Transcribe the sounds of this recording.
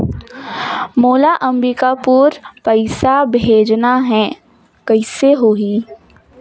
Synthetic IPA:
moːlaʔɐ̃mbikapuːɾpɐɪsabʱeːd͡ʒnaɦɛ | kɐɪseɦoːɦiː

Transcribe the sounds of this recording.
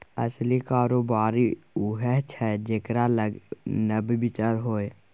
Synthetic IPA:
ə̰slikaːɾoːbaːɾiuɦɛɦt͡ʃʰɛd͡ʒekɾalənəbibɪt͡ʃəɾɦoːe

